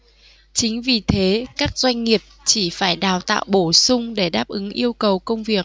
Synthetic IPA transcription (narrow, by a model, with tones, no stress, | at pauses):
t͡ɕï˨˦ŋ̟vi˨˩t̪ʰe˨˦kaː˦˥k̚zwa˧jŋ̟ŋi˨˩əp̚t͡ɕi˧˩faː˧˩jɗaː˨˩wt̪a̰ː˧˨wɓo˧˩sʊ˧ŋ͡mɗe˧˩ɗaː˦˥p̚ʔɨ˨˦ŋʔi˧əwkə˨˩wkə˧wŋ͡mvi˨˩ək̚